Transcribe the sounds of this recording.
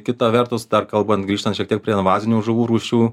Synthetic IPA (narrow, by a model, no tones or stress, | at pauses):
kʲɪt̪ɐʋʲɛrt̪ʊsd̪ɐrkɐlˠbɐnt̪ɡɾiːʃt̪ɐntʃʲiɛkt̪iɛkpʲɾʲiɛnʋɑːzʲɪnʲuːʒʊʋuːɾuːʃʲuː